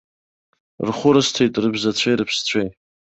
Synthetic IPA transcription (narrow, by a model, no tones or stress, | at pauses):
rχʷʊɾɨstʰejtʼrɨbzat͡sʷʰejɾɨpʰst͡ɕʷʰej